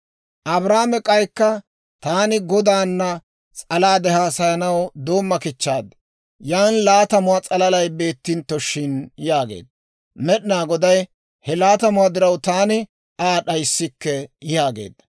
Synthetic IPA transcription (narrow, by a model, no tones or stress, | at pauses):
ʔɐbɾaːmɛkʼɐjkːɐ | t̪aːnɪɡɔd̪aːnːɐ | t͡sʼɐlaːd̪ɛɦaːsɐjɐnɐwd̪o̞ːmːɐkɪt͡ʃːaːd̪ɐ | jaːnlaːt̪ɐmʊat͡sʼɐlɐlɐjbe̞ːt̪ːɪnt̪ːɔʃːɪnjaːɡe̞̰ːd̪ːɐ | mɛɗɪnaːɡɔd̪ɐj | hɛlaːt̪ɐmʊaːd̪ɪɾɐwt̪aːnɪ | aːɗɐjsːɪkːɛjaːɡḛːd̪ːɐ̥